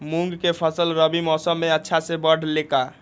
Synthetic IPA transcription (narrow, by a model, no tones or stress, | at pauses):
muŋɡkepʰəsəlɾəbimɔsəmːeətːʃʰasẽbəɖ̤leka